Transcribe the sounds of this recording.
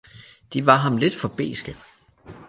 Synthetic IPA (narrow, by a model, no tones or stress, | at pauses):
d̥iʋɑ̈ɦɑ̈mle̝d̥fɒ̽b̥e̝̰ːsɡ̥ə